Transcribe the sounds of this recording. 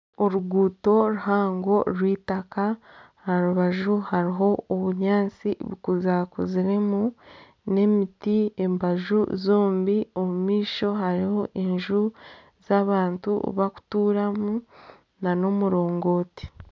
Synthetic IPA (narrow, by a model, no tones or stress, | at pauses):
oɾuɡuːto̞ɾuɦaːŋɡo̞ɾwiːtaka | haɾuβaʒuhaɾiɦo̞oβuɲaːnt͡siβikuzaːkuziɾe̞mu | ne̞mitie̞mbaʒuzoːmbiomumiːʃo̞haɾiho̞ʔeɲʒu | z̥aːβaːntṵβaku̥tuːɾamu | nano̞muɾo̞ːŋɡo̞ːti̥